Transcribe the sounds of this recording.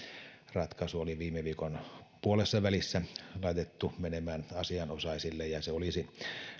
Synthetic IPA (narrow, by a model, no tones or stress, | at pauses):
rɑt̪kɑsuoliʋiːmeʋiːkonpuolesːɑʋælisːælɑˑit̪et̪ːumenemæːnɑsiɑnosɑˑisilːejɑseolisi